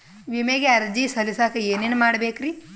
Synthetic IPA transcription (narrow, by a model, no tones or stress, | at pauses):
ʋimeɡaːɾd͡ʒisɐlisakɐjeninmaːɽbeːkɾi